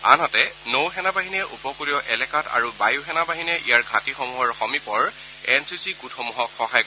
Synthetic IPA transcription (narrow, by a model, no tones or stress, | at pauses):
a̰nɦɔtɛ | nowɦɛnabaɦinɛʔupɔkuɹiɔʔɛlɛkata̰ɹubajuɦɛnabaɦinɛʔijaɹɡʱatixɔmuɦɔɹxɔmipɔɹ | ɛnsisiɡutʰɔmuɦɔkxɔɦaj